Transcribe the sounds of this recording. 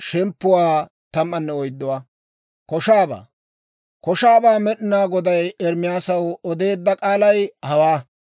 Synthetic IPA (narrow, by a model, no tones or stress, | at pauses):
ʃɛmpːʊwaː | t̪ɐmːɐnːɛɔjd̪ːɔwaː | kɔʃaːba̰ː | kɔʃaːbaːmɛɗɪnaːɡɔd̪ɐjɛɾmɪjaːsɐwɔd̪e̞ːd̪ːɐkʼaːlɐjhɐwaː